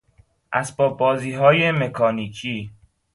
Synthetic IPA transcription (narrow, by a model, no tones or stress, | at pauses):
ʔæsbɒːbbɒːziːɦɒːjemekʰɒːniːcʰiː